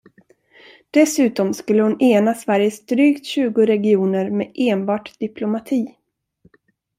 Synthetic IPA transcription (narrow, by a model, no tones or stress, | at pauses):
d̪̥ɛsʉ̟ːt̪ɔmskɵlːəhʊneːnasvæɾjəsd̪ɾyːkt̪ɕʉ̟ːɡʊɾɛɡɪuːnəɾmḛːʔeːnbɑːʈd̪̥ɪplʊmat̪ʰiː